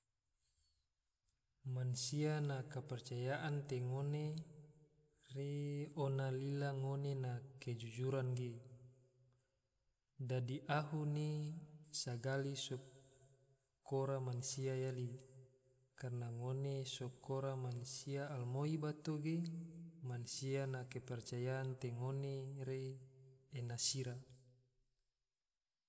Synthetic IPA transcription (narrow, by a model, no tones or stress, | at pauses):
mansianakapərt͡ʃajaʔant̪eŋone | reonalilaŋonenaked͡ʒud͡ʒuɾanɡe | dadiʔaɦunisaɡalisɔ | koɾamansiajali | karnaŋonesokoɾamansiaːlmoibat̪oɡemansianakepɛrt͡ʃajaːnt̪eŋoneɾeː | nasiɾa